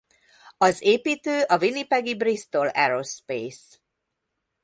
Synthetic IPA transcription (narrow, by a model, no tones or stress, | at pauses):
ɒzeːpiːt̪øːʔɒvinipɛɡibrist̪o̞lɛɾospeːs